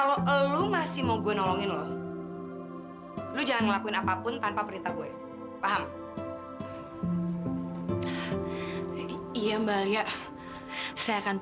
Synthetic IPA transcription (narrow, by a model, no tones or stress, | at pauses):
kaloʔlumasɪhmoɡuɛnɔlɔŋɪnlɔh | lud͡ʒalanŋəlakuɪnapapʊnt̪anpapəɾint̪aɡuɛ | faɦam | ijambaljaʔ | sajaːkan